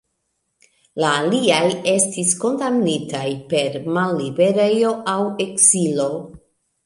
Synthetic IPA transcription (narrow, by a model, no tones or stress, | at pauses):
laːliaje̞stisko̞ndamnitajpe̞ɾmalːibe̞ɾe̞jo̞ʔawe̞kzilo̞